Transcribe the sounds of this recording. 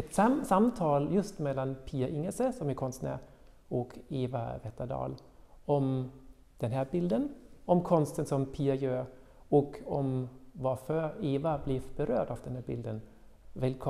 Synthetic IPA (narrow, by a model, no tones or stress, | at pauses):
ɛt̪ssamt̪ʰɑːljɵst̪mɛlːanpʰiːaʔɪŋːəsəsɔmɪkʰɔnst̪næ̰ | ɔkeːva̰vɛt̪ad̪ɑ̰ːl | ɔm | d̪̥ɛnɦæːɾbɪld̪ənɔmkʰɔnst̪ənsɔmpʰiːajøːɾ | ɔkɔmvɑfœɾeːvablibəɾøːɖɑvd̪ɛnhæːɾbɪ̰ld̪ən | vɛlkʰ